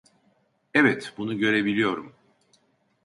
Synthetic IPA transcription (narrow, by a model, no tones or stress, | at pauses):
ɛvɛt̪bunuɟø̞ɾe̞bilʲijo̞ɾum